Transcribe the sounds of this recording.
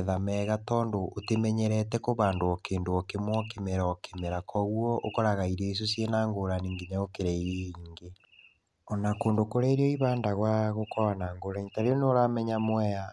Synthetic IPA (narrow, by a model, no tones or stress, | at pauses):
ðamɛːɣatɔːndoʔːtemɛɲɛɾɛtɛkoβaːndoɔkeːndoɔkemwɔkemɛɾaɔkemɛɾakʰɔɣwɔʔokɔɾaɣaiɾeis̬osjenaːŋɡoɾaniːŋɡeɲaokeɾɛiɾeiːŋɡe | ɔnakoːndokoɾɛɾeɔiβaːndaɣwaɣokɔwanaːŋɡoɾaiɲtaɾeɔnoɾamɛɲamwɛja